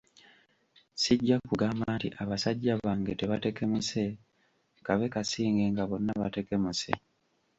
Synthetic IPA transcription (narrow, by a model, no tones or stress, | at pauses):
siɟːakuɡamaːtḭʔaβasaɟːaβaːŋɡe̞te̞βate̞ke̞muse̞ | kaβe̞kasiːŋɡe̞ŋɡaβo̞nːaβate̞ke̞musḛ